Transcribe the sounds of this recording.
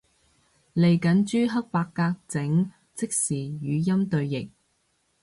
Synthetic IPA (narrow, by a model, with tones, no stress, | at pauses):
le˨˩jkɐ˨˥nt͡ʃyː˥ɦɐ˥k̚paː˧kːaː˧k̚t͡sɪ˨˥ŋ | t͡sɪ˥k̚siː˨˩jyː˨˧jɐ˥mt̪ɵ˧ɥjɪ˨k̚